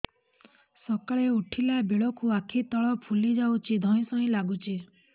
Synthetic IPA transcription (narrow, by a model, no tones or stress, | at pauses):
sɔkaɭeuʈʰilabeɭɔkuakʰit̪ɔɭɔpʰulid͡ʒawt͡ʃʰid̪ʱɔĩsɔɦĩlaɡut͡ʃʰi